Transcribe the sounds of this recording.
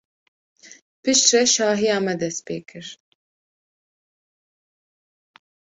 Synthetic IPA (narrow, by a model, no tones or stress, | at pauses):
pɨʃt̪rɛʃɑːɦijɑːmɛd̪ɛst̪pḛːkʰɨɾ